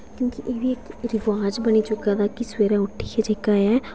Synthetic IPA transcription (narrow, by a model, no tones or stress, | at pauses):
kjõːkɪʔeːʋiːɪkɾɪʋaːd͡ʒbəniːt͡ʃʊkaːd̪aːkɪsʋeːɾɛ̃ːʊʈʰːiːkɛːd͡ʒeːkaːaː